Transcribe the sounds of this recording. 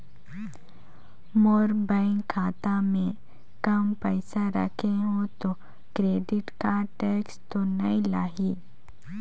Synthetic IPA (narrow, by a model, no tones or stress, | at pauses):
moːɾbaɪ̃ŋkkʰːaːt̪amẽ | kɐmpəːɪsaɾə̰kʰeɦõt̪o | kɾeːɖɪʈkaʈeːkst̪onɐĩlaːɦi